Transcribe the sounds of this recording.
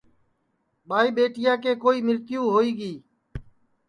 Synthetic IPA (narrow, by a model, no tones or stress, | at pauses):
ɓaːiːɓeːʈɪjaːkeːkoːiːmɪɾt̪ɪjũːɦoːiːɡiː